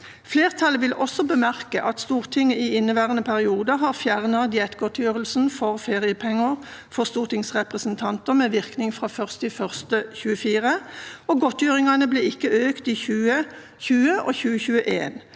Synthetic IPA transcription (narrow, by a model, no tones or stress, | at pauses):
fleːʁt̪ʰɑləʋɪlʔɔsɔbəmæʁkəʔɑt̪st̪uːʁt̪ʰɪŋːəiːɪnːəʋæːʁənəpʰæʁɪuːd̪ɑɦɑːʁfjæʁnɑd̪ɪɛt̪ɡɔt̪jøːʁəlsn̩fɔʁfeːʁɪəpʰɛŋːəʁfɔʁst̪uːʁt̪ɪŋsʁɛpʁəsnt̪ʰɑnt̪əʁmeːʋɪʁknɪŋfʁɑːfœʁst̪iːfœʁst̪əçʉːəfiːʁəoːɡɔt̪jøːʁɪŋɑnəbleːɪkːəøːkt̪iːçʉːə | çʉːəʔo̰ːçʉːəçʉːəʔḛːn